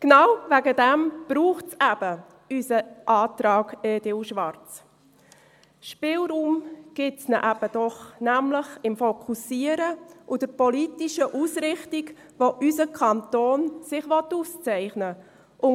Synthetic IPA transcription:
knawvæɡədɛmb̥ɾuːχtt͡sæb̥ə | ysəʔɑːtɾɑːɡɛːd̥ɪlʃʋɑɾt͡s | ʃpɪlɾuːmɡ̥ɪtsnəʔæb̥əd̥ɔχnæmləχɪmfokʰusiəɾəʔud̥əɾpolitiʃəʔusɾɪχtik | ʋoʔysəkʰɑntoːnsɪχʋɔtuːst͡sɛɪχnə | ʔʊn

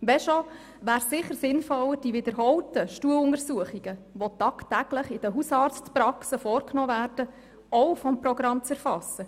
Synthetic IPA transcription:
ʋɛʃɔ | ʋæːɾsɪχəɾsɪnfɔləd̥iʋɪd̪əɾɦɔltəʃtuəlʊŋəɾsuəχiɡ̥əʋɔt̪ɑːktæɡ̥ləχɪd̥əɦusɑːɾt͡stprɑksəfɔːrknɔːʋæːrd̥ə | ɔwfɔmpɾɔɡɾɑmt͡sæɾfɑsːə

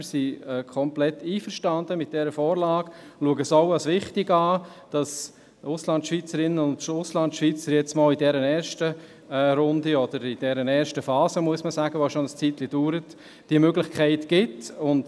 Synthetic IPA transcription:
əsiɛkʰɔmplɛtːiːfəɾʃtɑndəmɪt̚d̥ɛɾəfɔːɾlɑːɡluəɡəsɔʊɑsʋɪχtɪɡɑːd̥ɑs | ʊslɑntʃvit͡səɾɪnːənʊntʊslɑntʃviːt͡səɾjɛt͡smɔːlidɛɾənɛːɾʃtə | ɾʊndiɔd̥əɾɪd̥ɛɾənɛːɾʃtəfɑːzəmuəsməsæːɡəʋoʃonəst͡sitlid̥uːɾət | d̥iəmøɡlɪχkʰæɪtɡ̥ɪtʊnt

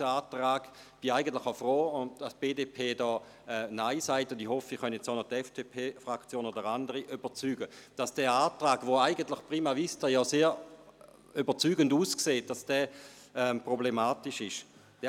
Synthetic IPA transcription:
əaːtʁaːɡ | b̥iaɪɡən̩tlɪχafʁoːʊndastb̥eːdeːpʰeːdɔː | ɛnaɪsaɪtʊnd̥ihɔfiχœnjɛt͡saʊnɔtɛfd̥epʰeːfʁakt͡sjoːnoːdəʁandəʁiʔyb̥ət͡syːɡəd̥asd̥ɛːaːtʁaːɡ̥voaɪɡəntlɪχpʁiːmɛvistəjɔseː | ybət͡syːɡənduːskseːt̚d̥asd̥ɛː | ɛmpʁoblemaːtiʃɪʃ | d̥ɛ

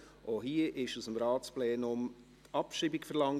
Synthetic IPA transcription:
ʔoɦiəʔɪʃusəmɾɑːt͡splɛːnʊm | tɑpʃiːbikfɛɾlɑŋ

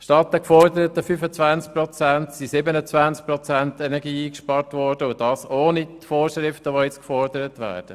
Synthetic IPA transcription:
ʃtɑtːəkfɔɾdəɾətəfyfət͡svansk̚prɔt͡sæntsisɪbənət͡svansk̚prɔt͡sæntɛnɛɡiːiːkʃpɑɾtʋɔɾd̥əʊd̥ɑːsoːnitfoːɾʃʁɪftəʋojɛt͡skfɔɾd̥əɾətʋæ̰ːɾd̥ə

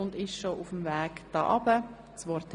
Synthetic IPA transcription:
ʊndɪʃʃoʔʊfm̩vɛːkd̥ɑ̰ːʔɑbə | t͡svɔɾtʰ

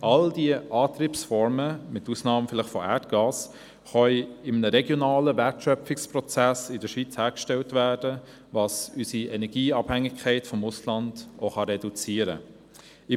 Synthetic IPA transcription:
ʔɑld̥iəɑːtriːpsfɔɾməmɪtusnɑːmfɪlɪχfɔʔæːtɡ̥ɑːs | χœʏɪmnəɾɛɡjonɑːləvɛtʃœpfɪkspʁɔt͡sæsɪdəʃʋit͡shæːɾkʃtɛltvæːd̥ə | vɑːsysiʔɛnɛɡiːɑbhæŋɪkʰχɛɪtfɔmʊslɑnd̥ʔoχɑɾɛdut͡siəɾə̰ | ɪ

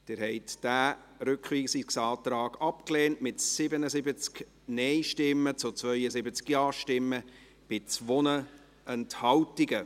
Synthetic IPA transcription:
d̥ɪɾhɛɪtd̥æː | ɾʏkχʋiːsiksɑːtɾɑːɡ̥ɑpkleːntmɪtsɪbənəzɪbət͡sk | nɛɪʃtɪmːət͡sʊt͡svœʏəzɪbət͡skjɑːʃtɪmːə | b̥ɪt͡svɔnə | ɛnthɑwtɪɡə

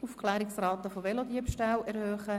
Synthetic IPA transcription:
ufkʰlɛːɾɪksrɑːt̪əfovɛlodiəpʃtalɛɾhøːχə

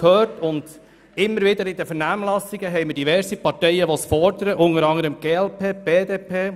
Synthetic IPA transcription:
khøːrtʊnd̪̥ | ɪmːəɾʋɪd̪əɾɪd̪əfəɾnæːmlɑsːiɡəɦɛɪməɾdiʋɛɾsipɑɾtɛjəʋɔsfɔɾd̥̪əɾəʔʊŋəɾɑŋəɾəmɡ̥eːɛlpeːb̥eːd̪eːpʰeː

